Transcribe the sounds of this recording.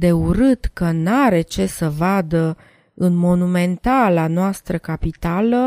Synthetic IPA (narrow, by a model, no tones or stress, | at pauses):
d̪e̞uɾɨt̪kənaɾe̞t͡ʃe̞səvad̪ə | ɨnmo̞nume̞nt̪alanoast̪ɾəkapit̪alə